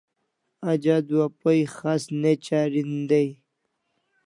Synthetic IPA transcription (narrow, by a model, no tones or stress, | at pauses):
ad͡ʑad̪uwapojxasnet͡ɕaɾind̪aj